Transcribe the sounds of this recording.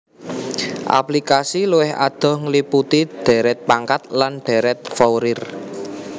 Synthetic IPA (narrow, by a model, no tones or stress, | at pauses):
ʔa̰plikasiluwɪha̰d̪̥ɔ̤hŋliput̪id̪̥ɛ̤ɾɛt̪̚paŋkat̪̚lanɖ̪̥ɛ̤ɾɛt̪̚fɔwɾɪr